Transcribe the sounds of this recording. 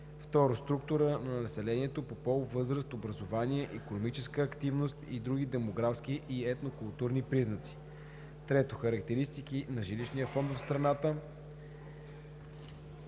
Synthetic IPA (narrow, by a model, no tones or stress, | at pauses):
ft̪ɔɾost̪ɾuk̚t̪ʊɾənɐnɐsɛlɛniɛt̪opopɔlˠvɤzɾəst̪obɾɐzovaniɛʔikonomit͡ʃɛskəːkt̪ivnost̪id̪ɾuɡid̪ɛmoɡɾafskiʔiɛt̪nokʊlˠt̪uɾnipɾiznət̪si̥ | t̪ɾɛt̪oxɐɾɐkt̪ɛɾist̪ikinɐʒiliʃniəfɔnd̪vəfst̪ɾɐnat̪ə